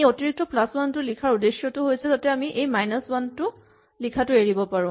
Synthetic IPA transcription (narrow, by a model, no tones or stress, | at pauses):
ejotiɹik̚tɔplaswantʊlikʰaɹudesjɔtʊɦojsɛzatɛamiʔejmajnɔswantʊ | likʰatʊeɹibɔpaɹʊ̃